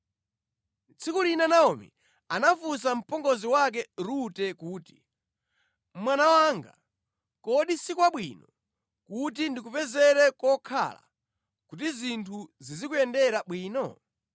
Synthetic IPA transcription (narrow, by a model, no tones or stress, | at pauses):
t͡sʰikulinanaɔmḭ | anafus̬am̩pɔŋɡɔziwak̬ɛɾutɛkuːti̥ | mwanawaŋɡa̰ | kɔɗisikuwaɓwḭnɔ | kut̬indik̬upɛzɛɾɛkɔkʰa̰la̰ | kut̬izintʰuzizikuɛndɛɾaɓwiːnɔ